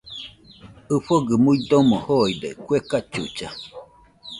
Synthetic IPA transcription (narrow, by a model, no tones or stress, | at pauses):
ɨɸoɡɨmuid̪omohoid̪ḛkʷekat͡ʃṵt͡ʃa